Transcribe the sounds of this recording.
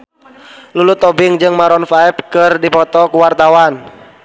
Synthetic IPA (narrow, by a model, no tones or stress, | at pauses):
lulut̪ɔbɪŋd͡ʒɨŋmaɾɔnfaɛp̚kɨrdipɔt̪ɔkuwart̪awan